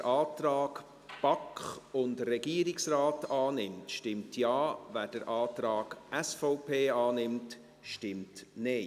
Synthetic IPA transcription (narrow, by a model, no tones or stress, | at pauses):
əɾʔɑːtɾɑːɡ | b̥ɑkχʊndrɛɡ̥iːɾiksrɑːtɑːnɪmtʃtɪmtʰjɑːvæːɾd̥əɾʔɑːtɾɑːɡ̥ʔɛsfɔʊpʰeːɑːnɪmt | ʃtɪmtne